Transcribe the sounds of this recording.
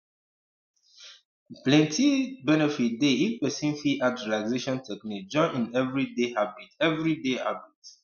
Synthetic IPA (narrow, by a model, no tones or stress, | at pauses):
plɛ̃ntʰibɛnɛfit̚deipɛsĩnfiʔat͡ʃulaɪzeʃɔ̃ntʰɛknik̚d͡ʒɔ̃nĩnɛvɹidehabitɛvɹidehabit